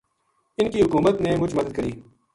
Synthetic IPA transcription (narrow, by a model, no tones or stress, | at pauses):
ɪnkiɦʊkuːmət̪neːmʊd͡ʒməd̪əd̪̚kəɾiː